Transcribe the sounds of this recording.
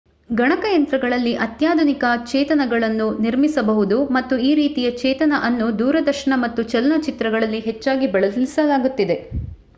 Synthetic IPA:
ɡɐɳɐkɐjɐnt̪ɾɐɡɐɭɐlːiʔɐt̪jaːd̪ʱunikɐt͡ʃɛːt̪ɐnɐɡɐɭɐnːuniɾmisɐbɐɦud̪umɐt̪ːuiːɾiːt̪ijɐt͡ʃɛːt̪ɐnɐʔɐnːud̪uːɾɐd̪ɐɾʂɐɳɐmɐt̪ːut͡ʃɐlɐnɐt͡ʃit̪ɾɐɡɐɭɐlːiɦɛt͡ʃːaːɡibɐɭɐlisɐlaːɡut̪ːid̪e̞

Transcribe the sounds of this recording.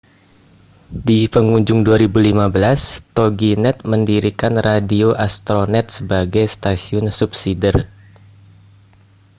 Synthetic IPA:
dipəŋuɲd͡ʒʊŋduaɾibulimabəlast̪oɡinɛt̪̚məndiɾikanradioʔast̪ɾonɛt̪̚səbaɡajst̪asiʊnsup̚sidər

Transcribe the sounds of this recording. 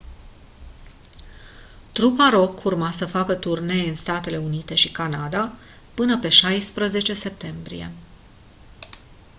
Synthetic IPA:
t̪ɾupaɾo̞kʰurmasəfakət̪urne̞jɨnst̪at̪e̞le̞unit̪e̞ʃikanad̪a | pɨnəpe̞ʃajspɾəze̞t͡ʃe̞se̞p̚t̪e̞mbɾḭje̞̰

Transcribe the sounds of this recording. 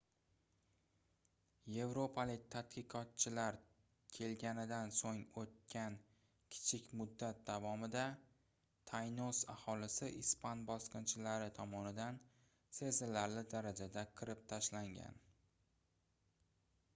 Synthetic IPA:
je̞vɾo̞pʰalɪk̚ʲt̪ʰat̪qɨqʰɒt̪̚t͡ʃʰɪlaɾ | kʲʰe̞lɡʲanɪd̪ansoŋot̪̚kʲʰan | kʲʰɪ̥t͡ʃʰɪkʲmʊd̪ːat̪̚d̪avɒmɪd̪a | t̪ʰajnosa̰hɒlɪsɪʔɪspanbɒsqɨnt͡ʃʰɪlaɾɪt̪ʰɒmɒnɪd̪an | se̞zɪlaɾlɪd̪aɾad͡ʒad̪aqʰɨɾɪp̚t̪ʰaʃlaŋɡʲa̰n

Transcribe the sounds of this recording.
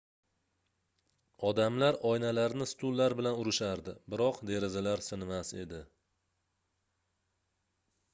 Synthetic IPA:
ɒd̪amlaɾɒjnalaɾnɪst̪ʰʊlːaɾbɪlanʊɾɪʃaɾd̪ɪbɪɾɒqd̪e̞ɾazalaɾsɪnmase̞̰d̪ɪ

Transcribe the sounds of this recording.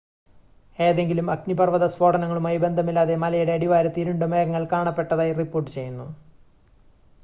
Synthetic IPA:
e̞ːðe̞ŋɡilumɐknipɐrʋɐðɐsʋo̞ːʈɐnɐŋːɐɭumɐjbe̞nd̪ʱɐmilːaːðe̞mɐlɐjuɽe̞ɐɽiʋaːɾɐt̪ːiɾuɳɖɨmeːɣɐŋːɐɭkaːɳɐpːe̞ʈːɐðaːjripːoːrʈːɨt͡ɕe̞jːunːu

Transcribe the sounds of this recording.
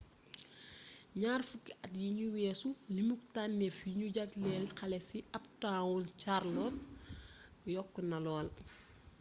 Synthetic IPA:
ɲaːrfukːɛʔɐtjiɲuwɛːsulimuktanːɛfjiɲuɟɐtlɛlxɐlɛsiʔɐp̚taːwult͡ʃarlɔt | jɔkːɔnɐlɔːl

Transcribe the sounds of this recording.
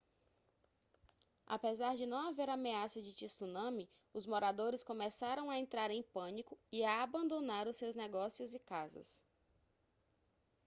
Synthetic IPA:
a̰pezaɾd͡ʒɪnɐ̃w̃aveɾameasɐd͡ʒɪt͡ʃisunɐ̃mɪ | ʊzmoɾad̪oɾɪskõmɛsaɾɐ̃w̃aẽnt̪ɾaɾẽj̃pɐ̃nikʊiaːbɐ̃nd̪õnaɾʊsːewznɛɡɔsjʊzɪkazɐ̰s

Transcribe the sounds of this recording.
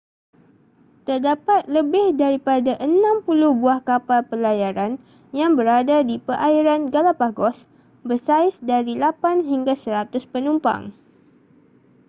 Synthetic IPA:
t̪ərdapat̪̚ləbɪhdaɾipadaʔənãmpulʊhbuahkapalpəlajaɾan | jaŋbəɾadadipəʔaiɾanɡalapaɡɔs | bərsaɪsdaɾilapanɦiŋɡasəɾat̪ʊspənumpa̰ŋ

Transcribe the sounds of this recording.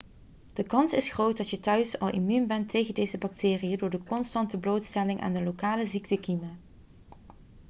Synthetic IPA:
d̥əkɑnsɪsχrowt̚dɑtjətœɥsɑ̰lˠʔḭmymbɛntʰejɣəndejzəbɑk̚tɪːrijədʊːɹdəkɔnstɑntəblowtstɛlɪŋʔa̰ːndəlowkaːləziktəkima

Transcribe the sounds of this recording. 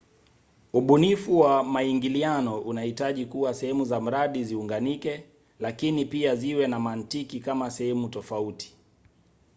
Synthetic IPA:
uɓunifuwamaiŋɡilianɔʔunahitaʄikuwasɛhɛmuzam̩ɾaɗiziuŋɡanikɛ | lakinipiaziwɛnamantikikamasɛhɛmutɔfauti̥

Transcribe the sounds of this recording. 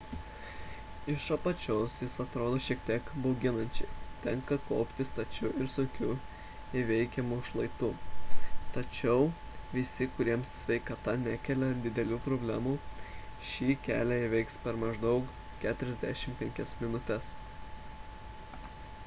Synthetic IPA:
ɪʃɐpɐt͡ʃʲoːsjɪsɐt̪ɾoːd̪oːʃʲiɛkt̪ʲiɛkbɐʊɡʲɪnɐnʲt͡ʃʲɛɪt̪ʲɛŋkɐkɔʊpʲt̪ʲɪst̪ɐt͡ʃʲʊɪɾsʊŋʲkʲʊ | ɪʋʲɛɪkʲɛmuːʃlˠɐɪt̪uː | t̪ɐt͡ʃʲɛʊʋʲɪsʲɪkʊɾʲiɛmssʲʋʲɛɪkɐt̪ɐnʲækʲɛːlʲɛd̪ʲɪd̪ʲɛlʲuːpɾoːbʲlʲæːmuːʃʲiːkʲæːlʲæɪʋʲɛɪkspʲɛɾmɐʒd̪ɒʊk | kʲæːt̪ʊɾʲɛzʲd̪ʲæʃʲɪmpʲɛŋʲkʲɛsmʲɪnʊt̪ʲɛs

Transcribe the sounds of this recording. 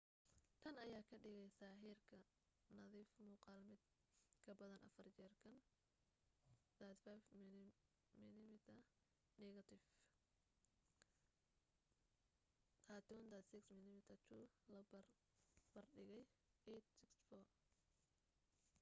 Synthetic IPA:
t̪ʰɐnɐjaːkʰɐɖɪɣɛjsaːɦiːrkʰɐ | nɐðiːfmuːqɑlmɪd̪̚ | kʰɐbɐðɐnʔɐ̰fɐrt͡ʃɛːrkʰɐn | d̪̥at̪fajf | mɪnɪmɪt̪ʰɐ | nɛːɣɐt̪ʰɪf | kʰaːt̪ʰɔːnd̪ad̪sɪksmɪnɪmɪt̪ʰɐt͡ʃ̪ʰulɐ | b̥ɐrɖɪɣɛjɛt̪sɪksfɔː

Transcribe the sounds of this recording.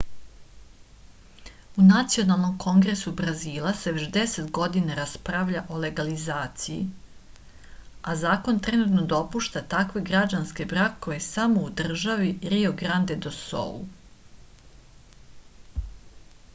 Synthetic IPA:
unat̪sio̞nalˠno̞mkʰo̞ŋɡɾesubɾaziːlˠase̞ʋe̞t͡ɕd̪e̞se̞t̪ɡo̞d̪inaɾaspɾaʋʎaʔo̞le̞ɡalizaːt̪sijḭ | azaːko̞nt̪ɾenut̪no̞d̪o̞puʃt̪at̪akʋe̞ɡɾad͡ʒanske̞bɾakoesamoud̪r̩ʒaʋiɾioɡɾand̪e̞d̪oso̰ṵ

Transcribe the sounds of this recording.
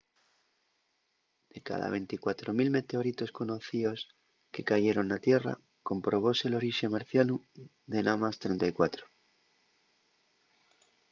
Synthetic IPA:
d̪̥e̞ka̰ða̰β̞e̞nt̪ikwat̪ɾo̞milme̞t̪e̞o̞ɾit̪o̞sko̞no̞θio̞s | ke̞kaʝe̞ɾo̞nːat̪je̞ra̰ | ko̞mpɾo̞β̞o̞se̞lo̞ɾiʃemaɾθjanu | ðe̞nʔamast̪ɾe̞nt̪ajkwat̪ɾo̥

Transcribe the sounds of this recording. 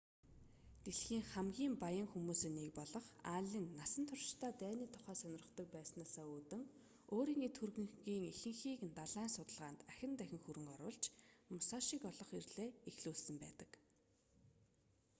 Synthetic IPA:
t̪eɮxiːŋχæmɡʲiːmpajə̆ŋxumuːseːnek̚pɔɮɞ̆χaɮiːnːasə̆nt̪ʰʊrʃt̪ʰaːt̪æːniːt̪ʰʊ̥χæːsœnʲɪ̆rə̆t̪ɞ̆k̚pæːsnaːsaːuːt̪ɘ̆ŋ | oːɾiːŋet̪xurɣɘ̆ŋɣiːŋexɘ̆ŋxiːknt̪aɮaːnsʊt̪ə̆ɮʁaːnt̪æxʲɪ̆nt̪æxʲɪ̆ŋxuɾɘ̆ŋɔɾʊ̰ːɮt͡ɕmʊsaːʃiːkɔɮɞ̆χirɮeːexɮuːɮsə̆mpæ̰ːt̪ə̥̆k

